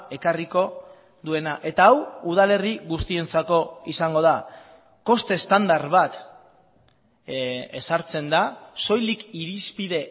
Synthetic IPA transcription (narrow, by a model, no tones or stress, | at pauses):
e̞kariko̞ | ðue̞naʔe̞t̪aːwuð̞ale̞riɣust̪ie̞nt͡sako̞isaŋɡo̞ð̞a | ko̞st̪e̞st̪and̪aɾβat̪ | e̞saɾt͡se̞nd̪aso̞jlikiɾispiðe̞